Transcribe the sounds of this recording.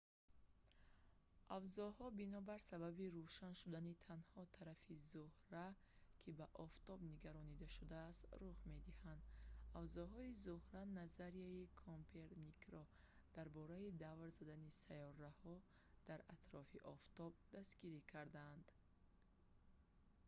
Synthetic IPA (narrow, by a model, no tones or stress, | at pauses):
ʔavzɔhɔbinɔbaɾsababiɾuʃanʃud̪anit̪ʰanhɔt̪ʰaɾafizuhɾa | kʰibaʔɔft̪ʰɔbniɡaɾɔnid̪aʃud̪aːst̪ruʁme̞d̪ihand̪avzɔɦɔizuhɾanazaɾiaikʰompʰeɾnikɾɔ | d̪̥aɾbɔɾaid̪avɾzad̪anisajɔɾːahɔ | d̪̥aɾat̪ɾɔfiʔɔft̪ʰɔb̚d̪asɡiɾikʰaɾd̪and̪